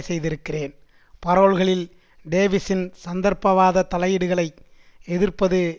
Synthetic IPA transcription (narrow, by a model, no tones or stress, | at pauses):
sɛjðɪɾɯkːɪreːn | pɐɾoːɭɣɐɭɪl | ɖeːʋɪsɪnsɐnd̪ɐɾpɐʋaːðɐt̪ɐlɐjɪɽɯɣɐɭɐɪ | ɛðɪrpɐðɯ